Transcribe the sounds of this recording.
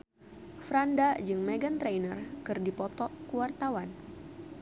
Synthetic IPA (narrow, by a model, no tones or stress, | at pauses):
fɾandad͡ʒɨŋmeɡant̪ɾejnərkɨrdipɔt̪ɔkuwart̪awan